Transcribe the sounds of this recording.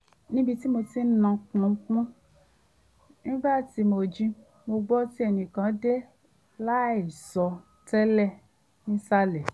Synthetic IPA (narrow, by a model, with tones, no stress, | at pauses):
nĩ˦bi˧ti˦mo˧ti˦nã˧k͡pũ˧˦k͡pũ˦ | nĩ˦ɡ͡ba˦˨ti˨˦mo˧d͡ʒĩ˧˦ | mo˧ɡ͡bɔ˦ti˦ɛ˧˨nĩ˨kã˨˦de˦ | la˦e˨sɔ˧ | tɛ˦lɛ˦˨ | nĩ˦sa˦lɛ˨